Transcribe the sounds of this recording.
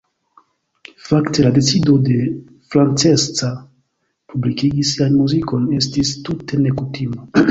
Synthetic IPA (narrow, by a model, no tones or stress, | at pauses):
fakte̞lade̞t͡sido̞de̞ | fɾant͡se̞st͡sa | publikiɡisːianmuziko̞ne̞stistute̞ne̞kutima